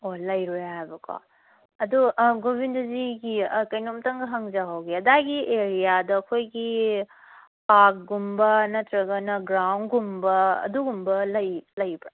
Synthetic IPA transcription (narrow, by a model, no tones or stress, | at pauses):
olɐjɾujɦajbɐkʰa̰ | ɐduɡobindɐziɡikɐjnomtɐŋɡɐɦɐŋzaɦawɡiɐdaɡieɾijadɐːkʰojɡi | pak̚ɡumbɐnɐtɾɐɡɐnɐɡɾawnɡumbɐɐ̰duɡumbɐlɐjlɐjbɾa